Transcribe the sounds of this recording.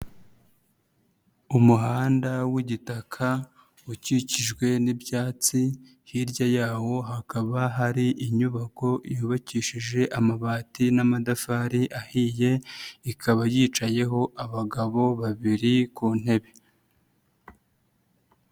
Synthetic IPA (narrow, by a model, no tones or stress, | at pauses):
umuɦaːndawiɟitakʰa | uciciʒɡwe̞nibjaːt͡si | hiɾjajaːwo̞ɦakaβaɦaɾiʔiɲuβako̞ijuːβaciːʃiʒe̞ʔamaβaːtinamadafaːɾiʔahije̞ikʰaβajiːt͡ʃaje̞ɦo̞ʔaβaɡaβo̞βaβiɾikuːn̥he̞βe̞